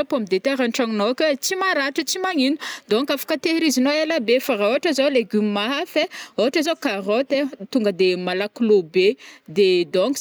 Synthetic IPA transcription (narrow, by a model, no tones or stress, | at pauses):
pomid̪et̪eɾanʈ͡ʂaŋinokʲət͡simaɾaʈ͡ʂət͡simaŋinud̪oŋkafḁkət̪eɾizinoelabefaɾaoaʈ͡ʂəzoleɡymmaɦafeoaʈ͡ʂazokarot̪et̪uŋɡəd̪emalaklobed̪ed̪oŋk